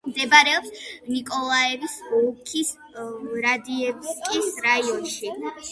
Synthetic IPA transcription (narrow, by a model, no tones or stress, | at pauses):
md̪ɛbaɾɛɔpsnikʼɔlˠaɛvisukʰis | ɾad̪iɛpskʼisɾaiɔnʃi